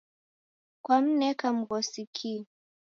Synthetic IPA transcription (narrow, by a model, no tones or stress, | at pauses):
kwam̩nɛkam̩ɣɔsikʰi